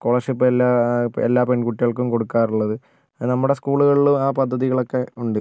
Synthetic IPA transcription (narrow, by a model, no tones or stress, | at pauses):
ko̞ːɭɐrʂipːɨelːaːḛlːaːpe̞ɳkuʈːiɣɐɭkːumko̞ɽukːaːruɭːɐðɨ | nɐmːuɽe̞skuːɭuɣɐɭilumaːpɐd̪ʱːɐðiɣɐɭo̞kːe̞uɳɖɨ